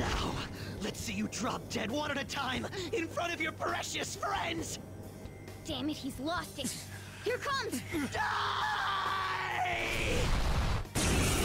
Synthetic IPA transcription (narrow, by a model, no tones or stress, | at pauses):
naʊlɨtsijɨdɹɑb̚dɛd̚wʌ̃ɾ̃ə˞ɾɨtʰãɪ̃mɨ̃nfɹʌ̃ɾ̃ʌvjə˞pʰəɹɛʃɨsfɹɛ̃ndz̥ | d̥æmɨd̚hizlɔstɪt̚ | hiɹkʰʌ̃mz̥da